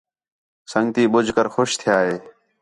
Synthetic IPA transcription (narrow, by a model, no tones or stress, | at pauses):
səŋt̪iːbʊd͡ʒʱkəɾxʊʃt̪ʰɪjaːɦeː